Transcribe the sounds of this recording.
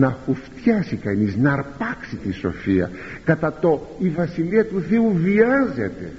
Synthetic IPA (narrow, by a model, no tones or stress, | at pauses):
nɐfuft̪çɐsikɐniznɐɾpɐksit̪iso̞̰fiɐ̰ | kɐt̪ɐt̪o̞ivɐsiliɐt̪uθe̞uviɐze̞t̪e̞̰